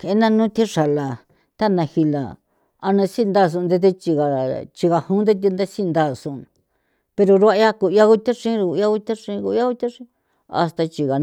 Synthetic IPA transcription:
ke˧˦nã˧nũ˦t̪i˦ʂa˨la˨ | t̪a˦˨nã˧hi˧la̰˨ | a˧nã˧si˦˧nd̪a˦˨s̬ũ˧nd̪e˧t̪e˧t͡ʃi˧ɣa˨t͡ʃi˧ɣa˨hũ˦d̪e˦t̪̬i˧nd̪a˦si˦nd̪a˦˨sũ˧ | pe˧ɾo˧ɾu˧a˧ja˦ku˧˨ja˧ku˧˦t̪a˦ʂĩ˦˧u˧˨ja˧ku˧t̪a˦ʂĩ˧ku˧ja˦ku˦t̪a˦ʂĩ˧˦ | a̰˧st̪a˧t͡ʃi˧ɣa˨

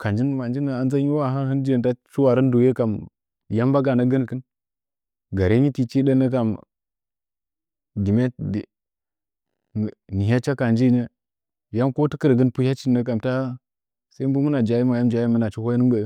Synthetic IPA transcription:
ka˨nd͡ʒi˦n˦ma˨nd͡ʒi˦nə˨a˨nza˦ɲi˦wa˦ɦa˦hɨ˦nd͡ʒe˦˨n˨ta˦t͡ʃu˦wa˨ɾə˦n˦du˨je˦ka˨m | ja˦mba˦ɡa˨nə˦ɡə˦n˨kə˦n | ɡa˨ɾe˦ɲi˦ti˦t͡ʃi˦ɗə˦nə˦ka˨m | di˨me˦d | ni˨ɦa˦t͡ʃa˦ka˨nd͡ʒi˦nə˦ | ja˦mko˦tə˦kə˦ɾɡə˦npu˦ja˦t͡ʃi˦nːə˦k̬a˨mta˦ | sa˦i˦m˦bu˦mə˦na˨d͡ʒa˨ji˦ma˨ja˦md͡ʒa˨˦ji˦mə˦na˨t͡ʃi˦ho˦jnə˦bə˨˦

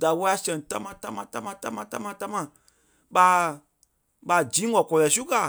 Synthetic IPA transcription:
da˨wɔ˦a˧sɛ̃˨ta˦mã˧˨ta˦mã˧ta˦mã˧ta˦mã˧ta˦mã˧ta˦mã˧˨ | ɓa˧˦ | ɓa˧˨d͡ʒĩː˨˦wɔ˨kɔ˨jɛ˨su˦ka˨

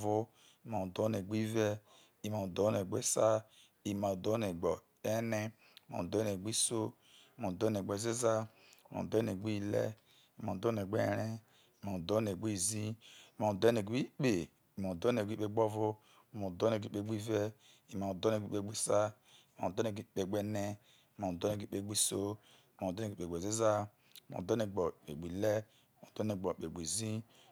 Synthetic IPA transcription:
vo˦ | i˨ma˨do˨˦ne˨ɡ͡bi˦vɛ˦ | i˨ma˨o˨do˨˦ne˨ɡ͡be˦sa˦ | i˨ma˨o˨do˨˦ne˨ɡ͡bo˨ | e˦ne˦˨ | ma̰˨do˦n˨e˨ɡ͡bi˦so˦ | i˨ma˨do˦n˨e˨ɡ͡bo˨ze˦za˦ | i˨ma̰˨do˦ne˨ɡ͡bi˦lɛ̰˦ | i˨ma˨do˦˨e˨ɡ͡be˦ɾe˦˨ | ma˨o˨do˦n˨e˨ɡ͡bi˦˨zĩ˦˨ma˨do˦ne˨ɡi˦k͡pe˨ | i˨mo˨do˦n˨e˨ɡʷi˦k͡pe˦ɡ͡bo˦vo˦˨ | mo˨do˦ne˨ɡʷk͡pe˦˨ɡ͡bi˦ve˦ | i˨ma˨do˦ne˨ɡ͡bi˦k͡pe˦ɡ͡bi˦sa˦ | i˨ma̰˨do˦ne˨i˦˨k͡pe˦˨ɡ͡be˦ne˦˨ | ma˨do˦ne˨i˦k͡pe˦ɡ͡bi˦so˦˨ | ma˨do˦e˨e˨ɡ͡bʷe˨ze˦za˦˨ | mo̰˨do˦ne˨ɡ͡bo˨k͡pḛ˨ɡ͡bʷi˨le˦˨ | mo˨do˦ne˨ɡ͡bo˨k͡pe˨ɡ͡bʷi˨zi˦

